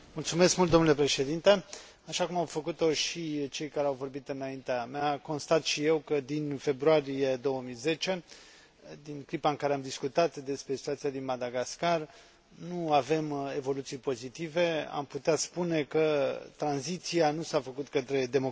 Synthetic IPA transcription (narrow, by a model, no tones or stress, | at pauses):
mult̪sume̞skmult̪d̪o̞nule̞pɾe̞ʃe̞d̪int̪e̞ | aʃakumawfəkut̪o̞ʃit͡ʃe̞jkaɾeawvo̞rbit̪ɨnaint̪eamako̞nst̪at̪ʃije̞wkəd̪infe̞bɾuaɾije̞d̪o̞wəmijze̞t͡ʃe̞ | d̪inkɾipaɨŋkaɾeamd̪iskut̪at̪d̪e̞spɾe̞sit̪uat̪siad̪inmad̪aɡaskar | nuave̞me̞vo̞lut̪sijpo̞zit̪ive̞a̰mput̪eat̪spune̞kət̪ɾanzit̪sianusafəkut̪kət̪ɾe̞d̪e̞mo